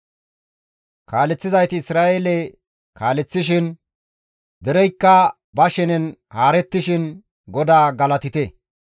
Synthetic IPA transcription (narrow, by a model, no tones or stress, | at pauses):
kaːlɛt͡sːɪzɐjt̪ɪːsɾaːʔelɛ | kaːlɛt͡sːɪʃɪn | d̪ɛɾɛjkːɐ | bɐʃɛnɛnhaːɾɛt̪ːɪʃɪn | ɡɔd̪aːɡɐlɐt̪ɪt̪e